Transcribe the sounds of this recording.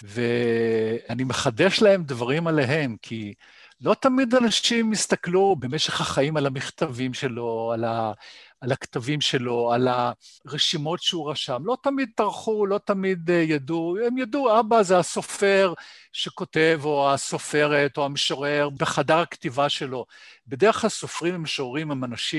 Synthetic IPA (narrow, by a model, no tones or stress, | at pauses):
ve | anime̞χad̪e̞ʃlae̞md̪vaʁimale̞ɦe̞mkʰi | lo̞t̪amid̪anaʃimːist̪aklube̞me̞ʃe̞χhaχaimalamiχt̪avimʃe̞lo̞alaː | laktavimʃe̞lo̞alaʁeʃimo̞tʃeuʁaʃamlo̞t̪amid̪̚t̪aʁχulo̞tamid̪jaduemjaduabazeaso̞fe̞ʁʃe̞ko̞te̞vo̞aso̞fe̞ʁet̪o̞ameʃoʁeʁbeχadaʁakt̪ivaʃe̞lo̞be̞deʁeχlalso̞fʁimemeʃoʁimemanaʃim